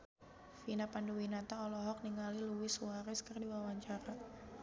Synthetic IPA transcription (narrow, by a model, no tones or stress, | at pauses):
finapanduwinat̪aɔlɔɦɔk̚niŋaliluwɪsuaɾɛskərdiwawaɲt͡ʃaɾa